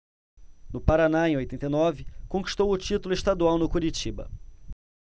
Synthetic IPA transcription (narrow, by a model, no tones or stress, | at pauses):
nʊpaɾanaẽj̃ojt̪ẽnt̪ejnɔvɪkõki̥ʃt̪owʊt͡ʃit̪ʊlʊɪʃt̪ad̪uawnʊkuɾit͡ʃibɐ̰